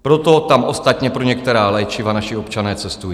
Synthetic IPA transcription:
pɾot̪o̞t̪amʔo̞st̪at̪ɲɛpɾoɲɛkt̪ɛɾaːlajt͡ʃɪvanaʃɪo̞pt͡ʃanɛːt͡sɛst̪uji

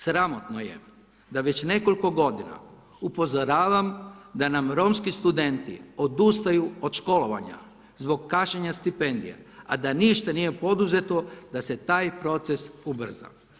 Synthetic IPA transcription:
sɾamo̞t̪noje̞̰ | d̪aʋe̞t͡ɕne̞ko̞lʲko̞ɡo̞d̪ina̰ | upo̞zoɾaːʋamd̪anamɾo̞mskist̪ud̪e̞nt̪ḭo̞d̪ust̪ajuod̪ʃko̞lo̞ʋa̰ɲa̰ | zbo̞ɡkaʃɲeɲast̪ipe̞nd̪ḭja̰ | ad̪aniʃt̪anijepo̞d̪uze̞t̪o̞d̪aset̪aːjpɾo̞t̪sesubr̩za̰

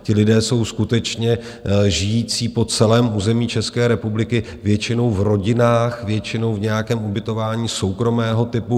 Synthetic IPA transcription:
cɪlɪdɛːso̞wskut̪ɛt͡ʃɲɛ | ʒɪjiːt͡siːpo̞t͡sɛlɛːmuːzɛmiːt͡ʃɛskɛːɾɛpublɪkɪ | vjɛt͡ʃɪno̞wvɾo̞ɟɪnaːxvjɛt͡ʃɪno̞wvɲɛjakɛːmubɪt̪o̞vaːɲiːso̞wkɾo̞mɛːɦo̞t̪ɪpu

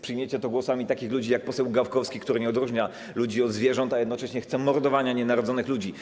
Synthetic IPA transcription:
pʂɘjmʲet͡ɕɛt̪ɔɡwɔsamʲit̪akʲixlud͡ʑijak̚pɔsɛwɡafkɔfskʲikt̪uɾɘɲɛɔd̪ɾuʐɲa | lud͡ʑiɔd̪zvʲjɛʐɔnt̪ajɛd̪nɔt͡ʂɛɕɲɛxt̪sɛmɔɾd̪ɔvaɲaɲɛnaɾɔd̪zɔnɘxlud͡ʑi

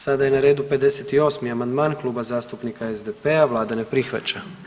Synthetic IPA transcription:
sad̪ajenaɾeːd̪upe̞d̪e̞set̪io̞smiamand̪maːnklˠuːbazaːst̪upnikaezd̪epe̞aʋlˠaːd̪ane̞pɾixʋa̰t͡ɕa

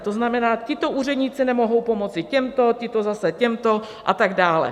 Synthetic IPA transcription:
t̪o̞znamɛnaːcɪt̪o̞ʔuːrɛdɲiːt͡sɪnɛmo̞ɦo̞wpo̞mo̞t͡sɪcɛmt̪o̞cɪt̪o̞zasɛcɛmt̪o̞ | ʔa̰t̪aɡdaːlɛ̰

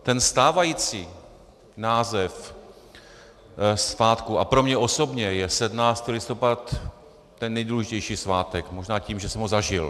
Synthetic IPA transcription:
t̪ɛnst̪aːvajiːt͡siː | naːzɛf | svaːt̪kuʔapɾo̞mɲɛʔo̞so̞bɲɛjɛsɛdmnaːst̪ilɪst̪o̞pat̪ː | ɛnːɛjduːlɛʒɪcɛjʃiːsvaːt̪ɛkmo̞ʒnaːciːmʒɛsɛmɦozaʒɪl

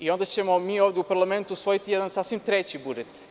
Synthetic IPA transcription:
io̞nd̪at͡ɕe̞mo̞miːoːʋd̪ʲeupaɾlˠame̞nt̪uusʋo̞jit̪ijed̪ansaːsʋimt̪ɾet͡ɕibud͡ʒet̪

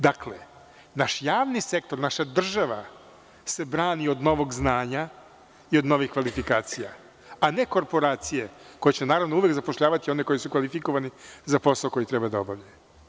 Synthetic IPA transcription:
d̪aklḛ | naʃjaːʋnise̞kt̪o̞ɾnaʃad̪r̩ʒaʋa | se̞bɾaːnio̞d̪no̞ʋo̞ɡznaːɲa | io̞d̪no̞ʋixkʋalifikaːt̪sija̰ | ane̞ko̞ɾpo̞ɾaːt̪sijeko̞jet͡ɕenaːɾavʋnouʋjekzapo̞ʃʎaːʋat̪io̞neko̞jisukʋalifiko̞ʋanizapo̞saoko̞jit̪ɾɛbad̪aobavʎe

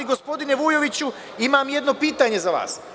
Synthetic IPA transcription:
iɡo̞spo̞d̪ineʋujo̞ʋit͡ɕu | imamje̞d̪no̞piːt̪aɲe̞zaʋa̰ːs

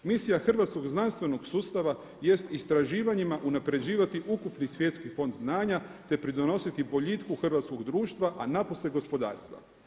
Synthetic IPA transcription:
misijaxr̩ʋat̪sko̞ɡznanst̪ʋe̞no̞ɡsuːst̪aʋa | je̞st̪ist̪ɾaʒiːʋaɲimaʔunapɾe̞d͡ʑiːʋat̪iʔukupnisʋje̞t̪skifo̞nd̪znaːɲat̪e̞pɾid̪o̞no̞sit̪ibo̞ʎit̪kuxr̩ʋat̪sko̞ɡd̪ɾuːʃt̪ʋaʔanaposleɡo̞spo̞d̪a̰ːɾst̪ʋa̰

